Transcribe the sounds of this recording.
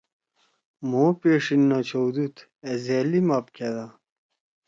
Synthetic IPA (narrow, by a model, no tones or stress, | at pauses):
moːpeːʂinːot͡ɕowd̪ut̪ | ezeːlimɐp̚ked̪a